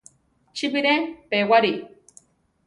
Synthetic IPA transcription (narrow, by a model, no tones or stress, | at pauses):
t͡ʃibiɾepewaɾi